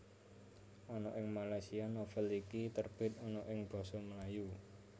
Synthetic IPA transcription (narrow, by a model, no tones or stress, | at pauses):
ʔɔnɔʔɪŋmalajsianofəlikit̪ərb̥ɪ̤t̪̚ɔnɔʔɪŋb̥ɔ̤sɔməlaju